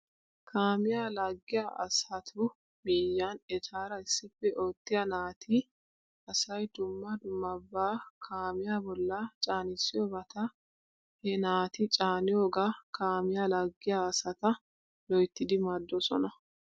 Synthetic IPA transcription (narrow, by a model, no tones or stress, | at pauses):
kʰaːmɪjaːlɐɡːɪjaʔɐ̰sɐt̪ʰʊ | miːjːanɛt̪ʰaːɾɐɪsːɪfːɛʔoːt̪ːɪjɐnaːt̪ʰɪ | ɐsɐjd̪ʊmːɐd̪ʊmːɐbːaːkʰaːmɪjaːbɔlːɐt͡ʃʼaːnɪsːɪjɔbɐt̪ʰɐ | hɛnaːt̪ɪt͡ʃʼaːnɪjoːɡakʰaːmɪjaːlɐɡːɪjaːsɐt̪ɐ | lɔjt̪ːɪd̪ɪmɐd̪ːɔsɔ̰nɐ